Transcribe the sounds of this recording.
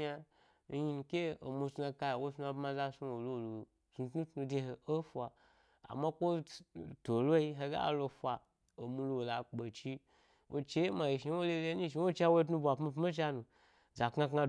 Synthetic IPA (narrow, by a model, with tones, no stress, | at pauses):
a˧˦ | ji˧n˧kʲe˦o̰˨mu˧sa˧ka˧ja˨wo˦sa˧bma˧za˧su˦˧wo˨lo˦˨lo˨ | su˧tnu˦tnu˧de˧ɦe˨o˦fʷa˨ | a̰˨ma˦kʷo˦to˨lo˦i˦ɦe˧ɡa̰˦a̰˨lo˧fʷa˧ | o˨mu˧lo˧wo˨la˨k͡pe˨t͡ʃi˧ | wʔo˧t͡ʃe˦ji˦ma˧ji˨ʃi˨˧˦wo˦le˧le˧˦nĩ˦ʃ̬i˧˦wo˦t͡ʃa˧wo˦t̬nu˧bʷa˨pma˧pi˦t͡ʃa˧nũ˨ | za˨kŋa˧kŋa˧